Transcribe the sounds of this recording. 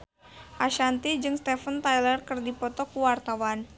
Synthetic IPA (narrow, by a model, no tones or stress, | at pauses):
aʃant̪id͡ʒɨŋst̪ɛfənt̪ajlərkɨrdipɔt̪ɔkuwart̪awan